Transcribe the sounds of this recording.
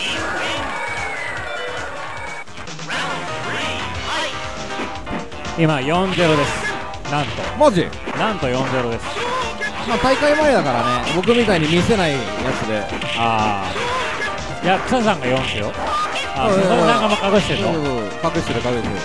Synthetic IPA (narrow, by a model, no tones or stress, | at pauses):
imajõ̞nd͡ze̞ɾo̞d̪e̞sɨ̥ | nãnt̪o̞̰mad͡ʑḭ | nãnt̪o̞jõ̞nd͡ze̞ɾo̞d̪e̞sɨ̥maːt̪aikaimaed̪akaɾane̞bo̞k̬ɯ̟mʲit̪aiɲ̟imʲise̞nai | jat͡sɨd̪e̞ | aː | jakɯ̥sas̬ãŋɡajõ̞nsejo | aːoasãŋɡamakakɯɕi̥t̪eɾoo | kakɯ̟ɕi̥t̪eɾɯ̟kaɡɯse